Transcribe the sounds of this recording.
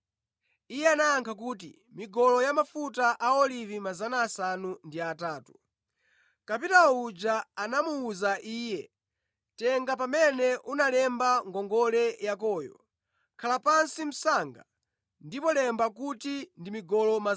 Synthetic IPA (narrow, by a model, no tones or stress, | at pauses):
ijɛanaːŋkʰak̬uːtḭ | miɡɔlɔjamafutaʔaɔlivimazanaːsanundiataːtu | kapitaud͡ʒaanamuːzaʔiːjɛ | tɛŋɡap̬amɛnɛʔunalɛmbaŋɡɔŋɡɔlɛjak̬ɔːjɔ̰ | kʰalapansim̩saŋɡa̰ | ndipɔlɛmbak̬utindimiɡɔlɔma